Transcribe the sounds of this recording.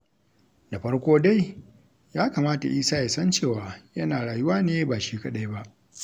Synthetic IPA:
da˨ɸɐ˦ɽkʷoː˦da˦j | jaː˦kaː˨maː˦ta̰˨ʔiː˦saː˦ja˨sɐ˦nt͡ʃeː˦˨waː˨jɐ˦naː˨ɽaː˨jʊ˦waː˦neː˦baː˨ʃiː˦ka˨ɗa˦jba˦ʔ

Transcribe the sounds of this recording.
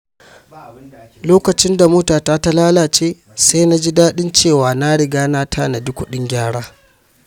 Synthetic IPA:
loː˦kɐ˨t͡ʃɪ˦nda˨mʊː˦taː˨taː˦ta˦laː˦laː˨t͡ʃeː˦ | sa˦na˦d͡ʒi˦daː˦ɗɪ˦nt͡ʃeː˦˨waː˨na˦ɽɪ˨ɡaː˦naː˦tʰaː˦na˨dʊ˦kʷʊ˨ɗɪ˦ŋɡʲaː˦ɽaː˦

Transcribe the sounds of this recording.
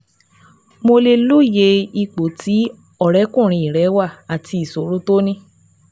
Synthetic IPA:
mo˧le˧lu˦˨je˧i˧k͡po˨tʰi˨˦ | ɔ˦˨ɾɛ˨˦kũ˦˨ɾ̃ĩ˧˨i˨ɾɛ˨˦wa˦˨a˨tʰi˧i˨so˨ɾo˨˦to˦nĩ˦

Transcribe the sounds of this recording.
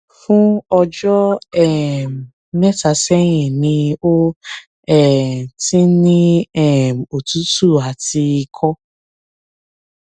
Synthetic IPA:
fũ˦ɔ˧d͡ʒɔ˦ɛ˦˨m˨ | nɛ˦ta˨˧sɛ˦j̃ĩ˨nĩ˧o˦ | ɛ˦˨ti˦nĩ˦ɛ˦˨m˨o˨tu˦tu˦˨a˨ti˧i˧kʰɔ˦

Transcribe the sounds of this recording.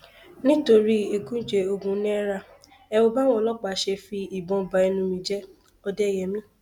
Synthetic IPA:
nĩ˦to˧ɾi˦e˨˧kũ˦d͡ʒe˧o˧ɡũ˨˧˦nɛ̃˦ɛ˦ɾa˧ | ɛ˧wo˧ba˦w̃ɔ̃˦˧lɔ˦k͡pa˨ʃe˧fi˧i˨bɔ̃˧˨ba˨ɛ˧nũ˧mĩ˧d͡ʒɛ˦ | ɔ˧dɛ˦˨jɛ˨mĩ˦

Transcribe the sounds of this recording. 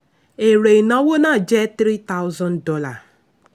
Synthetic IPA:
e˨ɾe˨i˨nɔ˦wo˦na˦˨d͡ʒe˦t̪ɾi˦t̪a˦ʊ˦zɔ˦ndɔ˦la̰˨

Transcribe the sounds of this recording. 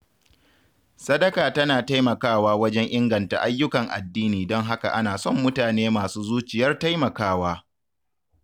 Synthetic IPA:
sɐ˦dɐ˦kaː˨tɐ˦naː˨ta˦jmɐ˨kaː˦waː˦wɐ˦d͡ʒɛ˦ŋʔɪ˦ŋɡɐ˨nta̰˨ʔa˦jːʊ˦kɐ˨ŋʔa̰˨dːiː˦niː˨dɔ˦ŋɦa˦ka̰˨ʔa˦naː˨sɔ˦˨mːʊ˦taː˨neː˦maː˨suː˦zuː˦t͡ʃɪ˨jɐ˦rta˦jmɐ˨kaː˦waː˦

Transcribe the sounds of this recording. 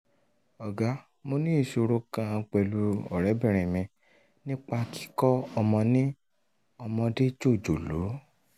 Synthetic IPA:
ɔ˨ɡa˦ | mo˧nĩ˦˨so˧ɾo˧˦kã˧k͡pɛ˧lu˧ɔ̰˨ɾɛ˨˦bɛ̃˦˨ɾ̃ĩ˨mĩ˧ | nĩ˦k͡pa˧ki̥˦kɔ˦ɔ˧mɔ̃˧nĩ˦ | ɔ˧mɔ̃˧de˦d͡ʒo˦˨d͡ʒo˨lo˨˦

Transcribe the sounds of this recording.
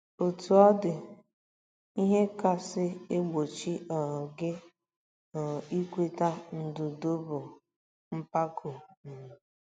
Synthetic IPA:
o˨tu˨ɔ˦dɪ˨ | i˦ɦe˦ka˨sɪ˦e˦ɡ͡bo˨t͡ʃi˦ʔɔ˨ɡɪ˦ | ɔ˨i˦kʷe˨ta˦n̩˨dʊ˨do˦bʊ˨ | m̩˦pa˦kʰo˨n̩˨

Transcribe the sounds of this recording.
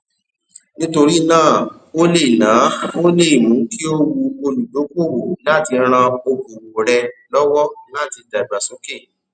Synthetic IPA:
nĩ˦to˧ɾi˦˧nãː˦˨ | o˦le˦i˨nãː˨˦o˦le˦˨i˨mũ˨˦ki˦o˦wu˧o˧lu˨do˨˦ko˦˨wo˨˦la˦ti˧ɾ̃ã˧o˧ko˨wo˨ɾɛ˧lɔ˦wɔ˦la˦˨ti˧da˨ɡ͡ba˨so˦ke˦˨

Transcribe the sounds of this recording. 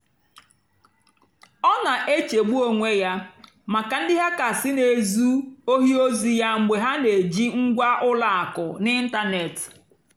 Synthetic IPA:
ɔ˦na˨ʔe˦t͡ʃe˨ɡ͡bu˦o˦ŋʷe˦ja˦ | ma˨ka˨n̩˦dɪ˦ɦa˦ka˨sɪ˦ne˨zu˦o˦ɦi˦o˦zi˨ja˦ŋ͡m̩˨ɡ͡be˨ɦa˦ne˨d͡ʒi˦ŋ̩˦ɡʷa˦ʔʊ˦la˨a˨kʊ˨nɪ˦n̩˦ta˦ne˨t

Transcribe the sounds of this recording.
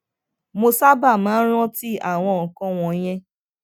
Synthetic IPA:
mo˧sa˦ba˦˨mãː˨˦ɾ̃ɔ̃˦ti˦a̰˦˨w̃ɔ̃˧ɔ˨kɔ̃˦w̃ɔ̃˧j̃ɛ̃˦

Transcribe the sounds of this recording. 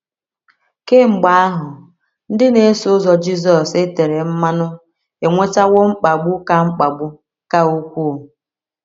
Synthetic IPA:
ke˦ŋ͡m̩˨ɡ͡ba˨˦a˦ɦʊ˨ | n̩˦dɪ˦ne˨e˦sʊ˦zɔ˨d͡ʒi˦zɔ˨se˦te˨ɾe˨m̩˦ma˦nʊ˦ | e˨ŋʷe˦t͡ʃa˦wo˦ŋ͡m̩˦k͡pa˨ɡ͡bʊ˦ka˨ŋ͡m̩˦k͡pa˨ɡ͡bʊ˦ | ka˦u˦kʷu˦˨

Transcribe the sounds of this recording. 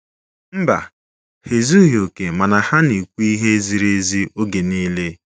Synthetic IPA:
m̩˦ba̰˨ | he˨zu˦ɦi˨o˨ke˨ma˨na˨ha˦ni˨kʷu˦i˦ɦe˦zi˨ɾe˦zi˦o˦ɡe˨niː˦le˦

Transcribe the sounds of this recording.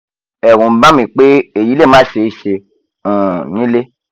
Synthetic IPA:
ɛ˨ɾũ˨˦bã˦mĩ˨k͡pe˦e˨ji˨˦le˦˨mãː˦˨ʃe˨˦˨ʃẽ˧˨ | nĩ˦le˦

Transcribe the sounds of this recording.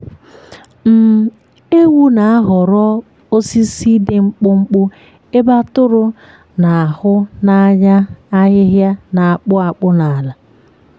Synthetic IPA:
m̩˨ | e˦wu˦na˨a˦ɦʊ˨ɾɔ˦ | o˦si˦si˦dɪ˨ŋ͡m̩˦k͡pʊ˦ŋ͡m̩˦k͡pʊ˦ | e˦ba˦tʊ˦ɾʊ˦ | na˨a˨hʊ˦na˦ɲa˦a˦ɣɪ˦ɦja˦na˨a˨k͡pʊ˦a˨k͡pʊ˦na˨la˨

